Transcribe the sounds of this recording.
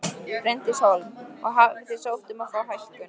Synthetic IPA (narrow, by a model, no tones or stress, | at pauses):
ɾejnt̪ɪsaːwlɔ̰ɣɦavvɪθe̥sowht̪ʏmafaːwɦajskʏn